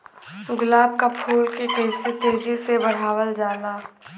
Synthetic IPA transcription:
sʊɡlaːb̚kapʰuːlkekɐɪsit̪eːd͡ʒisebɐɽ̤aːwəld͡ʒaːnaː

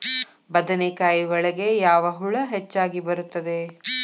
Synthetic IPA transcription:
bɐd̪ɐnekaːjiʋɐɭɐɡe̞jaːʋɐɦuɭɐɦet͡ʃːaːɡibɐɾut̪ːɐd̪e̞

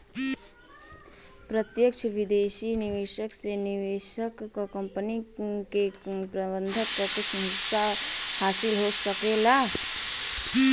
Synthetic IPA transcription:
pɾət̪jəkt͡ʃʰəʋɪd̪eːʃinɪʋeːʃəksenɪʋeːʃəkːkɐ̃mpənikepɾəbə̃nd̪ʱət̪̚pɾət̪ɪʃməɦɪtːahaːsɪlɦosɐkeːla

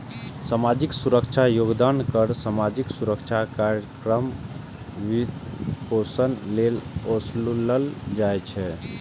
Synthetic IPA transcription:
samad͡ʒiksuɾəkt͡ʃʰajoɡd̪ankəɾsamad͡ʒiksuɾəkt͡ʃʰakaɾjəkɾəm | ʋikosənlelosluləld͡ʒajt͡ʃʰɛ

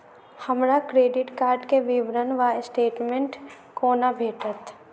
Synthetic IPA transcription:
həmɾakɾeːɖɪʈkaːɾɖkeʋiʋɾənʋasʈeːʈmẽɳʈ | koːnabʱeːʈət̪

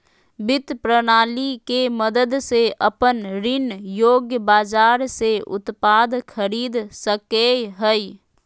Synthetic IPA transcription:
bɪt̪pɾənaːlikeməd̪əd̪seʔəpənɾɪnjoːɡjəbaːd͡ʒaːɾseʊ̰t̪paːd̪kʰəɾiːd̪səkeɦəi

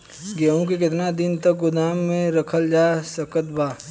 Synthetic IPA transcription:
ɡeũk̬ek̬ɪt̪nad̪ɪnt̪ɐkɡʊd̪aːmːẽɾɐkʰəld͡ʒaːsəkət̪̚baː

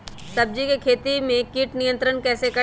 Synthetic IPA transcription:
sɐb̚d͡ʒikekʰeːt̪imẽkiːʈnijə̃nt̪ɾənkɛːsekɐ

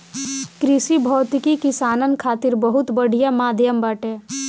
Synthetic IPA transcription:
kɾɪsibʱɔːt̪kikɪsaːnənkʰaːt̪ɪɾbəɦʊt̪bəɽ̤ijamaːd̪ʱjəmbaːʈeː

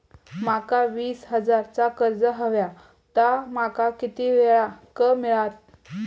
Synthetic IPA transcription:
makaʋiːsɦəd͡zaɾt͡sakəɾd͡zəɦəʋja | t̪amakakit̪iʋeɭakəmiɭat̪̚

